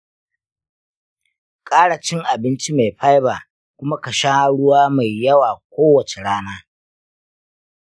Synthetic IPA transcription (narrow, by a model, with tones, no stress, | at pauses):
kʼaː˦ɽa˨t͡ʃɪ˦ŋʔa˨bɪ˦nt͡ʃi˦ma˨jɸa˦jbaː˨ | kʷʊ˦ma˦kɐ˨ʃa˦hɽʊ˦waː˦ma˨jːɐ˦waː˨kʷoː˦wɐ˨t͡ʃe˨ɽaː˦naː˦